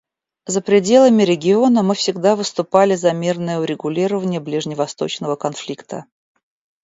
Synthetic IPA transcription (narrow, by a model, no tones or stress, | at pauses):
zəpɾʲɪdʲe̞lˠəmʲɪɾʲɪɡʲɪo̞nəmɨfsʲɪɡd̪avɨst̪ʊpalʲɪzɐmʲe̞rnəjəʊɾʲɪɡʊlʲiɾəvənʲɪjəblʲɪʐnʲɪvɐst̪o̞̰t͡ɕnəvəkɐnflʲikt̪ə̰